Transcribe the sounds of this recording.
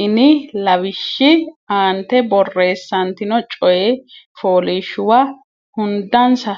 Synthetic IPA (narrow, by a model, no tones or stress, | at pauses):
ɪnɪlɐβɪʃːɪaːnt̪ɛbɔrːe̞ːsːɐnt̪ɪnɔt͡ʃʼɔjɛfoːlɪʃʊwɐ | hʊnd̪ɐnsɐ